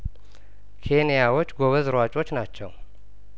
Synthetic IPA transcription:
kʰe̞nijawot͡ʃːɡoβəzɨɾwat͡ʃʼo̞t͡ʃːnat͡ʃːɛw

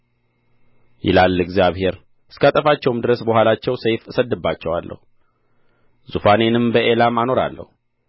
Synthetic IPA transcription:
jɪ̰lalːɨɡzijaβhe̞ɾ | ɨskəat̪ʼəfat͡ʃːɛwɨmd̪ɨɾəsbəhʷwalat͡ʃːɛwsejfɨsəd̪ːɨbːat͡ʃːɛwalːʔə̰hu | zufanenɨmbəʔelamano̞ɾa̰lːə̰hu

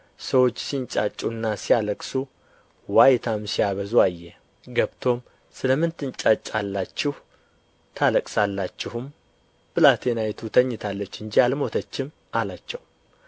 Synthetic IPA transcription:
səwo̞t͡ʃːsint͡ʃʼa̰t͡ʃʼːunːasijaləkʼsu | wajt̪ʰamsijaβəzuajːɛ | ɡəβt̪ʰo̞m | sɨləmːɨnt̪ɨnt͡ʃʼat͡ʃʼːalːat͡ʃːɪhu | t̪ʰaləkʼsalːat͡ʃːɪhum | b̥ɨlat̪ʰenajt̪ʰut̪ʰəɲːɪt̪ʰalːət͡ʃːɨnd͡ʒialmo̞t̪ʰət͡ʃːɪm | ʔalat͡ʃːɛw

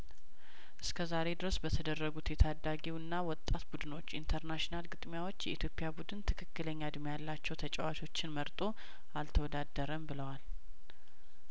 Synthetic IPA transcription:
ʔɨskʰəzaɾe̞d̪ɨɾəsbət̪ʰəd̪ərːəɡut̪jɛt̪ʰad̪aɡiwɨnːawɔt̪ʼːat̪bud̪ɨno̞t͡ʃːint̪ʰəɾnaʃnalɡɨt̪ʼmjawo̞t͡ʃːjɛʔit̪ʰjo̞pʼːɪjabud̪ɨnt̪ʰɨkʰɨkːɨləɲːad̪mjalːat͡ʃːɛwt̪ʰət͡ʃʼɛwat͡ʃʰo̞t͡ʃːɪnməɾt̪ʼo̞ | alt̪ʰəwɔd̪ad̪ːəɾəmbɨləwal

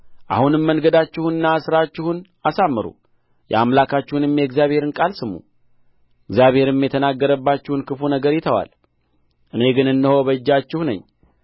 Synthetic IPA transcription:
ʔa̰hunɨmːəŋɡəd̪at͡ʃːɪhuɨnːasɨɾat͡ʃːɪhun | asamːɨɾṵ | jɛ̰amlakʰat͡ʃːɪhunɨmjɛɡzjaβhe̞ɾɨnkʼalsɨmːṵ | ɛɡzjaβhe̞ɾɨmjɛt̪ʰənaɡːəɾəbːat͡ʃːɪhunkʰɨfunəɡəɾjɪt̪ʰəwa̰l | ʔɨne̞ɡɨnɨnːɨho̞βəd͡ʒːat͡ʃːɪhunə̰ɲː

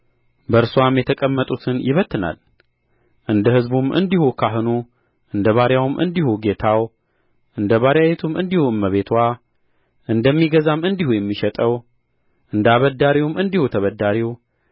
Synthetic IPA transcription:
bəɾsuamjɛt̪ʰəkʼəmːət̪ʼut̪ʰɨnjɪβət̪ʰːɨna̰l | ʔɨnd̪əhɨzbumɨ̰nd̪ihukʰaɦɨnu | ʔɨnd̪əβaɾjawmʔɨ̰nd̪ihuɡe̞t̪ʰaw | ʔɨnd̪əβaɾjawet̪ʰumɨnd̪ihuɨmːəβe̞t̪ʰwa | ʔɨnd̪əmːiɡəzamɨnd̪ihujɛmːiʃɛt̪ʼəw | ʔɨnd̪aβəd̪ːaɾiwumɨnd̪ihut̪ʰəβəd̪ːaɾiw

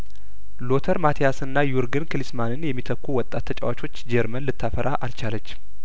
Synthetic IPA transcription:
lo̞t̪ʰəɾmat̪ʰijasɨnːajuɾɡɨnkɨlɨsmanɨnjɛmːit̪ʰəkʷːuwɔt̪ʼːat̪ʰːət͡ʃʼɛwat͡ʃʰo̞t͡ʃːd͡ʒɛɾmənlɨt̪ʰːafəɾʔaʔalt͡ʃalət͡ʃː

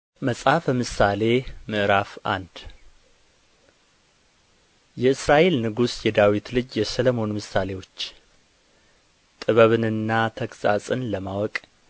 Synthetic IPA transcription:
məsʼhafəmɨsale̞mɨʔɨɾafa̰nd̪ | jɛɨsɾaʔe̞lnɨɡusjɛd̪awit̪lɨd͡ʒjɛsələmo̞nmɨsale̞wo̞t͡ʃː | t̪ʼɨβəβɨnɨnːat̪ʰəkʼsʼa̰sʼɨnləmawɔkʼ

